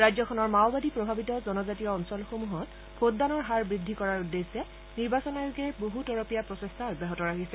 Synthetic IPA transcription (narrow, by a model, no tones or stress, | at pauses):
ɹajzɔkʰɔnɔɹmawbadipɹɔbʱabitɔzɔnɔzatijɔːnsɔlxomuɦɔt | pʰotdanɔɹɦaɹbɹidʱikɔɹaɹudːesɛ | niɹbasɔnajoɡɛboɦutɔɹɔpijapɹɔsestʰabɛɦɔtɔɹakisɛ